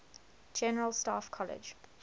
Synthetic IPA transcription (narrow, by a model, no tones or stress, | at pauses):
d͡ʒɛnəɹəlˠstɑːfkʰɔlɪ̰d͡ʒ